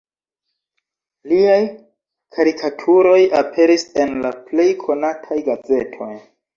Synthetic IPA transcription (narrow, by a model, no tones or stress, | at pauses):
liaj | kʰaɾikʰatʰuɾo̞japʰe̞ɾise̞nlaple̞jkʰo̞natʰajɡaze̞tʰo̞j